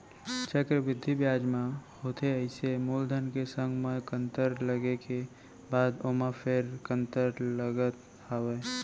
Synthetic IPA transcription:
t͡ʃəkɾəʋɪd̪ʱːibjaːd͡ʒmãhoːt̪ʰeəɪsemuːld̪ʱənkesə̃ŋɡʱməkə̃nt̪əɾləɡeke | baːd̪omapʰeɾkə̃nt̪əɾləɡət̪ | aːweː

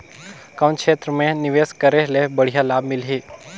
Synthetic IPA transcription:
kɐ̃nkʰʃʰeːt̪ɾəmẽnɪʋeːskəɾelebəɽ̤ijalaːb̚mɪlɦeː

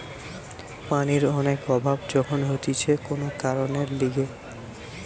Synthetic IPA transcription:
paniɾɔnekɔbʱabd͡ʑɔkʰonɦot̪it͡ɕʰekonokaɾoneɾliɡe

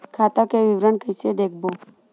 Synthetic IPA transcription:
kʰaːt̪akeʋɪʋɾənkəjsed̪eːk̚ʰbo

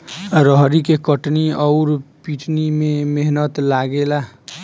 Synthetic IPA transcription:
ɾəɦɾikekəʈniʌʊɾpiʈnimemeɦnət̪laɡela

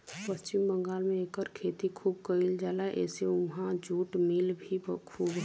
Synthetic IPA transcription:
pəst͡ʃɪmbə̃ŋɡaːlmẽeːkəɾkʰeːt̪ikʰuːb̚kəild͡ʒaːlaʔɛ̰ːseʊɦãd͡ʒuːʈmɪlbʱibkʰuːbɦ

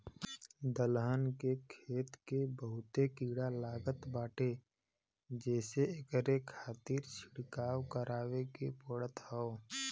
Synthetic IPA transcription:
d̪əlɦənkekʰeːt̪kebəɦʊt̪ekiːɽalaːɡət̪baːʈe | d͡ʒɛːseekəɾekʰaːt̪iːɾt͡ʃʰɪɽkaːwkəɾaːwekepəɽət̪hɛo

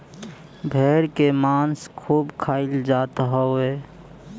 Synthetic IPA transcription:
bʱeːɾkemaːnskʰuːbkʰaːɪld͡ʒat̪ɦɔe

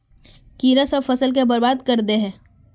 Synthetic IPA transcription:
kiːɾasɐfɐsəlk̬ebɐɾbaːd̪kɐɾd̪eɦɛ̃ː

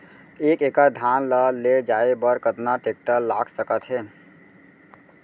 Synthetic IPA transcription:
ekekəɾd̪ʱanləled͡ʒaebəɾkət̪naʈek̚ʈəlːaɡsəkət̪ɦe

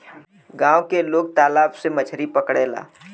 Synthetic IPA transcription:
ɡãːwkeloːɡ̚t̪aːlaːbsemət͡ʃʰɾipɐkɽeːla̰ː

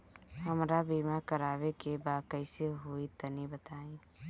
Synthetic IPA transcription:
hɐmɾabiːmakɐɾaːwekebaːkəɪseɦoːit̪ɐnibət̪aːĩː

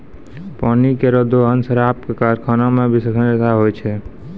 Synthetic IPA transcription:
paːnikeɾəd̪oɦənsəɾaːp̚kekaɾkʰanamẽbʱisəkʰənd͡ʒet̪aɦojt͡ʃʰe

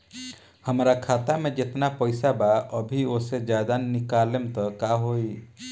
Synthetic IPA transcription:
həmɾakʰat̪amẽd͡ʒet̪napəjsabaəbʱiosed͡ʒad̪anːikalemt̪ɔkaɦoi

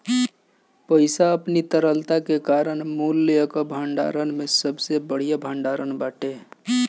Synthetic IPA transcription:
pəɪsaəpnit̪əɾəlt̪akekaːɾəɳmulːeəkobʱəɳɖa̰ɾənmẽsəbsebəɽ̤ijabʱəɳɖaːɾənbaːʈe

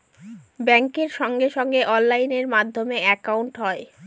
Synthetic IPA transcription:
bɛŋkeɾʃɔŋɡeʃɔŋɡeʔɔnlajneɾmad̪ʱːomeɛkawɳʈɦɔe

